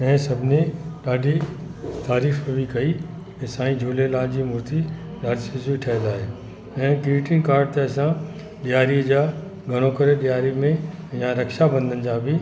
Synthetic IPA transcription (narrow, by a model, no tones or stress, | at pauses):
ɐ̃ɦɪ̃sɐbʱɪnẽɗaːɖʱi | t̪aːɾiːfbikɐi | ẽsãːĩd͡ʑʱuːlelaːd͡ʑiːmʊɾt̪i | ɗaːɖsɪziʈʰɐɦɪlaːɦeː | ɛ̃ːkɾiːʈɪ̃ŋkaːɾɖ̚t̪eɐsã | ɗijaːɾid͡ʑaː | ɡʱɐɽ̃okɐɾeɗijaːɾimẽ | jãɾɐkʃabɐ̃nd̪ʱənd͡ʑaːbʱɪ